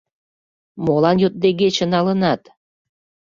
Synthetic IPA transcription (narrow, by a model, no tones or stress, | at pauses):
molɑnjot̪̚d̪eɡet͡ɕə̆nɑlənɑt̪